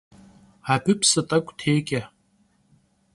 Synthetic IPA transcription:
abɨpʰsatʼakʷʼtʰeːkʲʼa

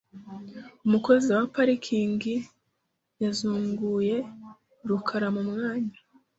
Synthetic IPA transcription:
umuko̞ziwapaɾikʰiːŋɡi | jazuːŋɡuːje̞ | ɾukʰaɾamumŋaːɲa

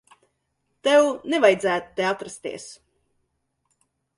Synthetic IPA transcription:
t̪ɛwnɛvajd̪zæːt̪t̪ːeat̪ɾast̪ḭɛs

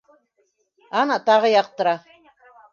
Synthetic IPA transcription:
ɑnɑt̪ɑʁɤjɑq̚t̪ɤ̆ɾɑ

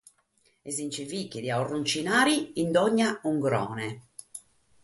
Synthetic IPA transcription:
ezint͡ʃevikːed̪iaurːunt͡ʃinaːɾiːnd̪ɔɲːauŋɡɾɔ̰ːnɛ

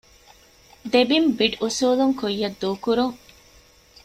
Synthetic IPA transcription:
d̪ebimbiɖusuːluŋkojːɐd̪ːuːkuɾuŋ

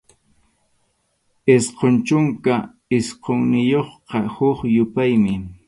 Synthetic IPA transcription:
ɪsqont͡ʃʊŋka | ɪsqoŋnɪjoχqɑhʊχjʊpajmɪ

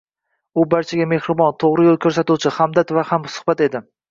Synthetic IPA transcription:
ʊbaɾt͡ʃʰaɡʲame̞hɾɪbɒnt̪ʰoʁɾɪjolˠkʲʰɵɾs̬at̪uwt͡ʃʰɪhamd̪at̪vahamsʊ̥hbat̪e̞d̪ɪ

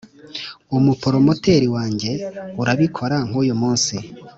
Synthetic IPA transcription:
umupo̞ɾo̞mo̞teɾiwaːɲɟe̞uɾaβikʰo̞ɾaŋ̥uːjumuːnsi

